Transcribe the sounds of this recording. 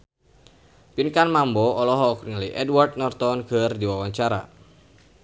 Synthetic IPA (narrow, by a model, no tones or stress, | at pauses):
pinkanmambɔɔlɔɦɔːkiŋələjʔɛdwart̪̚nɔrt̪ɔnɡ̥ərdiwawaɲt͡ʃaɾa̰